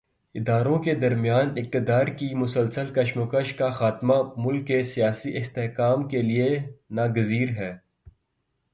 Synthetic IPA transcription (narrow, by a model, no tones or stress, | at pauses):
ɪd̪aːɾõked̪ɐɾmijaːnɪk̚t̪ɪd̪aːɾkimʊsəlsəlkɐʃmʊkəʃkaxaːt̪mamʊlkːesijaːsiʔɪst̪eɦkaːmkelienaːɡəziːɾɦɛː